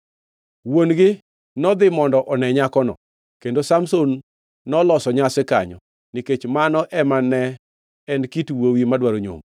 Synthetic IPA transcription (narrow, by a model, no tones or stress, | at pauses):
wonɡɪ | nɔd̪ɪmɔndɔʔɔnɛɲakɔnɔ̰ | kendosamsonː | ɔlɔsɔɲasɪka̰ɲɔ̰ | niket͡ʃmanɔʔɛmanɛ | ɛnkitwowimadwaɾoɲo̰m